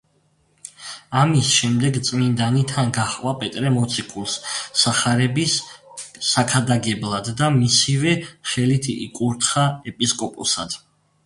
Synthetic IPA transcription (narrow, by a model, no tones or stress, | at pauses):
amisʃɛmd̪ɛɡt̪sʼmind̪anit̪ʰanɡaχqʼwapʼɛt̪ʼɾɛmɔt̪sʰikʰulˠsːaχaɾɛbisː | akʰad̪aɡɛblˠad̪ːamisivɛχɛlit̪ʰḭkʼuɾt̪ʰχaɛpʼiskʼɔpʼṵsad̪̥